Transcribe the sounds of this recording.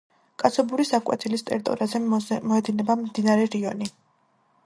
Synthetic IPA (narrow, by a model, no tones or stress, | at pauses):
kʼat̪sʰɔbuɾisakʼwɛ̰t̪ʰilist̪ʼɛ̰ɾt̪ʼɔ̰ɾazɛmɔɛd̪inɛbamd̪inaɾɛɾiɔni